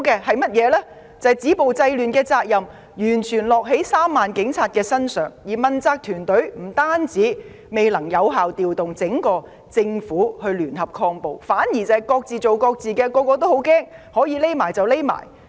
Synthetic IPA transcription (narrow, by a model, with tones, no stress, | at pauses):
kɛː˧hɐ˨jmɐ˥t̚jɛː˨˧lɛː˥ | t͡sɐ˨jt͡siː˨˥po˨wt͡sɐ˧jlyː˨nkɛː˧t͡saː˧k̚jɐ˨m | jyː˨˩nt͡ʃʰyː˨˩nlɔː˨k̚ɦe˨˥jsaː˥mːaː˨nkɪ˨˥ŋt͡sʰaː˧t̚kɛː˧sɐ˥nsœː˨˩ŋjiː˨˩mɐ˨˧nt͡saː˧k̚t̪ʰyː˨˩nt̪ɵ˨˥ɥm̩˨˩t̪aː˥nt͡siː˨˥ | me˨jlɐ˨˩ŋjɐ˨˧wɦaː˨wt̪iː˨wt̪ʊ˨ŋt͡sɪ˨˥ŋkɔː˧ | t͡sɪ˧ŋfuː˨˥hɵ˧ɥlyː˨˩nhɐ˨p̚kʰɔː˧ŋpo˨wfaː˨˥nji˨˩t͡sɐ˨ɐ˨jkɔː˧k̚t͡siː˨t͡so˨wkɔː˧k̚t͡siː˨kɛː˧kɔː˧kɔː˧t̪̬o˥who˨˥wkɛː˥ŋhɔː˨˥jiː˨˧le˥jmaː˨˩jt͡sɐ˨wle˥jma̰ː˨˩j